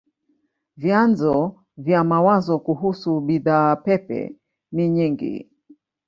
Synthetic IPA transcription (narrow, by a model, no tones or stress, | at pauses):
vjanzɔ | vjamawazɔkuɦusuɓiðaːpɛpɛ̰ | niɲiŋɡḭ